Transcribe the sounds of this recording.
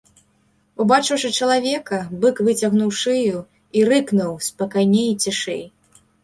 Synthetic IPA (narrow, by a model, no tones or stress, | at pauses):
ubat͡ʂɨwʂɨt͡ʂɐlˠavʲɛkɐbɨkvɨt͡sʲɐɣnuwʂɨju | irɨknuwspɐkajnʲejt͡sʲiʂɛ̰j